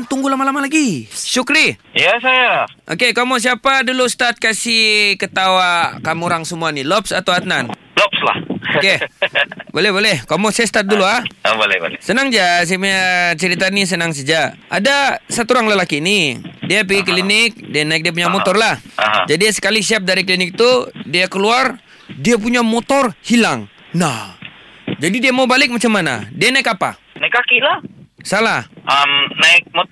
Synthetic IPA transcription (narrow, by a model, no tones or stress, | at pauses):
nt̪uŋɡulamalamalaɡiʃukɾiijasajaʔo̰kekomos̬iapadulust̪at̪̚kasikət̪awakamuɾaŋsəmuanilɔpsat̪awat̪̚nan | lɔp̚sla̰hoke | bolɛhbolɛhkomɔsajast̪at̪̚duluabolɛ̰bo̰lɛ̰sənaŋd͡ʒas̬aapuɲat͡ʃəɾit̪anis̬ənaŋs̬ad͡ʒaʔa̰dasat̪uɾaŋlalakiːnidiap̬iɡiklinɪk̚dɛnaɪik̚diapuɲamot̪ɔrlahɦd͡ʒadisə̥kalisiap̚daɾiklinɪk̚t̪udiakəluar | diap̬uɲamot̪ɔrhilaŋ | nah | d͡ʒadidiamaubalɪk̚mat͡ʃamːana̰dianaɪkapa̰ | naɪkakilasalahʔamnaɪk̚mo